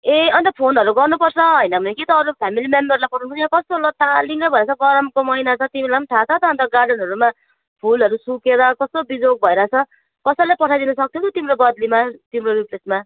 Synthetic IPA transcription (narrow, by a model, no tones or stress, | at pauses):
eʌnt̪ʌpʰonɦʌɾuɡʌrnupʌrt͡sʰʌɦʌjnʌbʱʌnekit̪ʌːɾupʰamilimembʌrlajpʌʈʰũt͡sʰʌjãkʌst̪olʌt̪ʰaliŋʌbʱʌeɾat͡sʰʌɡʌɾʌmkomʌinat͡sʰʌt̪imilaʈʰat͡sʰʌt̪ʌʌnt̪ʌɡarɖʌnɦʌɾuma | pʰulʌɾusukeɾʌkʌst̪obid͡zoɡ̚bʱʌeɾat͡sʰʌ | kʌsʌlajpʌʈʰajd̪inʌsʌk̚t̪ʰjot̪ʰot̪imɾobʌd̪limat̪imroɾiplesma